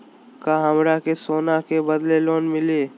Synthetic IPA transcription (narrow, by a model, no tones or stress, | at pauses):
kaɦəmɾakesoːnakebɐd̪leloːnmɪleː